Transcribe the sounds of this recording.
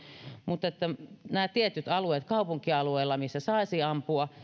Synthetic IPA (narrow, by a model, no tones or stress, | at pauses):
mut̪et̪ːænæːt̪iet̪yt̪ɑlueːt̪kɑupuŋkiɑlueilːɑmisːæsɑisiːɑmpuɑ